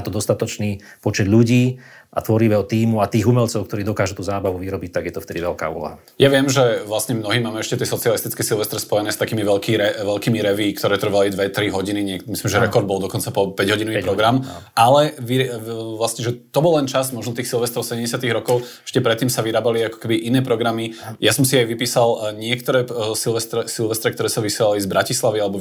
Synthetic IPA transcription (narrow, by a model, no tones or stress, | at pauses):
at̪ɔd̪ɔst̪at̪ɔt͡ʃniː | pɔt͡ʃɛd̪ʎuɟiː | ʔa̰t̪ʋɔɾiʋɛːɦɔt̪iːmuat̪iːɣumɛʎt͡sɔʊkt̪ɔɾiːd̪ɔkaːʒut̪uːzaːbaʋuʋiɾɔbic̚t̪aɡjɛt̪ɔft̪ɛd̪iʋɛlka̰ːṵːlɔ̰ɦa | jaʋɪɛmʒɛʋlasɲɛmnɔɦiːmaːmɛɛʃcɛt̪ɪɛsɔt͡sialist̪it͡skɛːsilʋɛst̪ɾɛspɔjɛnɛːst̪akiːmiʋɛlkiːɾɛʋɛlkiːmiɾɛʋiːkt̪ɔɾɛːt̪ɾ̩ʋalid̪ʋɛt̪ɾiɦɔɟiniɲɪɛkmislimʒɛɾɛkɔɾd̪̚bɔlˠd̪ɔkɔnt͡sapɔpɛɟɦɔɟinɔʋipɾɔɡɾamalɛʋiʋlasɲɛʒɛt̪ɔbɔlːɛnt͡ʃazmɔʒnɔt̪iːxsilˠʋɛst̪ɾɔʊsɛɟɛmɟɛsɪat̪iɣɾɔkɔʊɛ̥ʃcɛpɾɛt̪ːiːmsaʋiɾaːbaliakɔ̥kɛbiʔinɛːpɾɔɡɾamijasɔmsiajʋipiːsalɲɪɛkt̪ɔɾɛːsilʋɛst̪ɾɛsilʋɛst̪ɾɛkt̪ɔɾɛːsaʋisjɛlalizbɾacislaʋialɛbɔ